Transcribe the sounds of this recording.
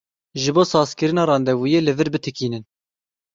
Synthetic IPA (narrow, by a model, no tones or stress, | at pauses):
ʒɨboːsɑːzkɨɾɨnɑːɾɑːnd̪ɛvuːjeːlɨvɨɾbɨt̪ʰɨkiːnɨn